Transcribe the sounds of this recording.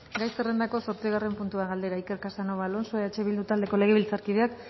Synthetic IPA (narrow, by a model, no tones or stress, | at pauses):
ɡajsere̞nd̪ako̞so̞ɾt͡siɣ̞are̞mpunt̪uaɣald̪e̞ɾaike̞ɾkasano̞βalo̞nso̞eet͡ʃe̞βild̪ut̪ald̪e̞ko̞le̞ɣ̞e̞βilt͡saɾkið̞e̞ak